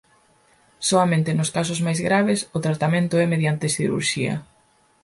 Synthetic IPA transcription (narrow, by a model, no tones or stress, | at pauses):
soamẽnt̪enʊskas̬ʊzmajzɣɾaβesʊt̪ɾat̪amẽnt̪ʊɛmeðjant̪ɪsiðeɾṵɾʃiɐ̰